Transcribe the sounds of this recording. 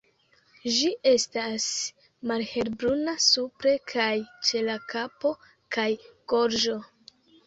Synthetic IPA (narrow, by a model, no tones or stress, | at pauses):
d͡ʒiʔe̞stas | malhe̞lbɾunasupɾe̞kʰajt͡ʃe̞lakapo̞ | kajɡ̥o̞ɾʒo